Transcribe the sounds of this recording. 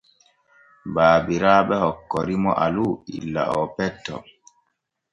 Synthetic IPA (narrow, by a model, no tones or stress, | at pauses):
baːbiɾaːɓɛhɔkːɔɾimɔ̰ʔaluḭlːa̰ʔɔpɛtːɔ̰